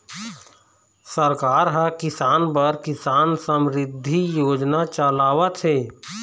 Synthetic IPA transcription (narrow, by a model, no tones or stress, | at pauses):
səɾkaːɾɦəkɪsaːnpəɾkɪsaːnsəmɾɪd̪ʱːijoːd͡ʒnat͡ʃalaːwət̪ʰeː